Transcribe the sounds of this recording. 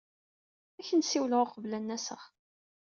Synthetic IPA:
æçənsiwloqəvlænːæsəʁ

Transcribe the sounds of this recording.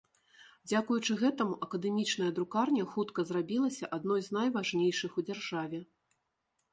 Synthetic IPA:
d͡zʲakujut͡ʂɨɣɛt̪ɐmuʔɐkɐd̪ɛmʲit͡ʂnɐjɐd̪ɾukarnʲɐxut̪kɐzrabʲilˠɐsʲɐʔad̪̚nɔjznɐjvaʐnʲejʂɨxud͡zʲarʐavʲɛ

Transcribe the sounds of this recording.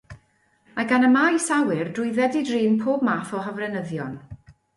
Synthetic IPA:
aɡanəmajsawɪrdʊɨðɛdidriːnpʰoːbmaːθɔɦəvrɛnəðjɔn

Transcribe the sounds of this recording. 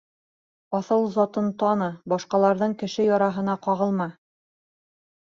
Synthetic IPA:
ɒθɤlˠzɑt̪ɤnt̪ɑnɤbɑʃqɑlˠɑɾðɤɴkɘ̆ʃɘjɑɾɑɦɤ̆nɑqɑʁɤ̆lˠmɑ

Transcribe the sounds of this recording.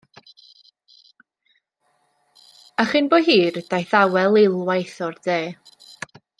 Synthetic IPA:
aχɨnboːɦiːrd̥ajθawɛlˠɪlˠwajθɔrd̥eː

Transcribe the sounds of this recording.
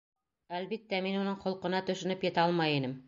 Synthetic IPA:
ælbit̪ːæminunɤɴχŏlˠqɤ̆nɑt̪ɵ̆ʃɘ̆nɵpjɘ̆t̪æɑlˠmɑjinɘm

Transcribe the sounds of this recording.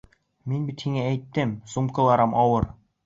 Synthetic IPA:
minbit̪hiŋææjt̪ːɘmsumkɤ̆lˠɑɾɤmɒwɤɾ

